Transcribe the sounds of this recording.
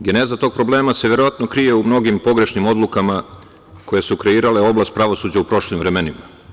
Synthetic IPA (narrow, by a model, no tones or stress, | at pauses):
ɡene̞zat̪o̞ɡ̚pɾo̞ble̞ːmase̞ʋje̞ɾo̞ʋat̪no̞kɾije̞umno̞ɡimpo̞ɡɾe̞ʃnimo̞d̪lukama | ko̞je̞sukɾe̞iːɾale̞o̞blast̪̚pɾaʋo̞suːd͡ʑaupɾo̞ʃlimʋɾemenima